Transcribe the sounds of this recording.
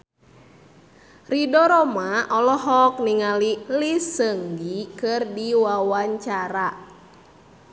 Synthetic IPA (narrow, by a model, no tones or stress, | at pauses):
ridɔɾɔmaɔlɔɦɔk̚niŋalilisəŋɡikɨrdiwawaɲt͡ʃaɾa